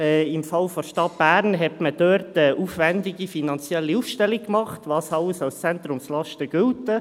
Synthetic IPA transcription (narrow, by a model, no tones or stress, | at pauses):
ɛːɪmfɑlfɔʃtɑt̚b̥æːɾnɦɛtməd̥øɾtəʔuːfvændɪɡifinɑnt͡sjɛlːiufʃtɛlik̚kmɑχtvɑːsɑləsɑlst͡sɛnt̪ɾʊmslɑʃtəɡ̥ʏltə